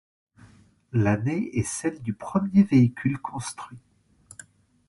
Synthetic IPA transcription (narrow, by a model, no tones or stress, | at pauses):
laneɛsɛld̪ypχəmjeveikʲylkʰɔ̃st̪χɥi